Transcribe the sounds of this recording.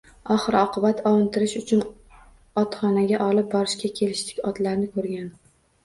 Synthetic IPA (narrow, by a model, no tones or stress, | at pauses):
ɒχɨɾɒqʰɨbat̪ʰɒwɨnt̪ʰɪɾɪʃʊt͡ʃʰʊn | ɒt̪χɒnaɡʲaʔɒlɪp̚bɒɾɪʃkʲakʲʰe̞lɪʃt̪ʰɪ̥kʲɒt̪laɾnɪkʰɵɾɡʲan